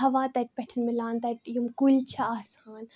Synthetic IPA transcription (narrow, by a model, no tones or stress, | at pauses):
ɐʋaːt̪ɐʈ̚pɛʈʰɐnmɪlaːnt̪ɐʈjumkult͡ʃʰɐaːsaːn